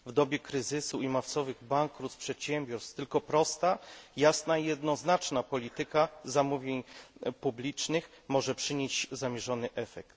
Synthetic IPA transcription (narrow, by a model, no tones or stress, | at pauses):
vd̪ɔbʲjɛkɾɘzɘsuimaft̪sɔvɘɣbaŋkːɾut̪spʂɛt̪ɕɛmbʲjɔɾst̪ɘlkɔpɾɔst̪ajasnaijɛd̪nɔznat͡ʂnapɔlʲit̪ɘkazamuvʲjeɲpublʲit͡ʂnɘx | mɔʐɛpʂɘɲeɕzamʲjɛʐɔnɘʔɛfɛkt̪